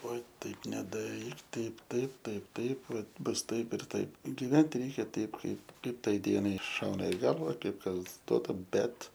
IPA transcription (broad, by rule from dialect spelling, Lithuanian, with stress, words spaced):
ˈʋɐ ˈtɐɪp nʲɛdɐˈrʲiːk ˈtɐɪp ˈtɐɪp ˈtɐɪp ˈtɐɪp ˈʋɐ ˈbʊs ˈtɐɪp ɪr ˈtɐɪp ɡʲɪˈʋʲɛnʲtʲɪ ˈrʲɛɪkʲɛ ˈtʲɛɪp ˈkɐɪp ˈkɐɪp ˈtɐɪ ˈdʲiɛnɐɪ ˈʃɐʊnɐ ɪ ˈɡɐlˠʋɐ ˈkɐɪp ˈkɐs ˈduɔtɐ ˈbʲɛt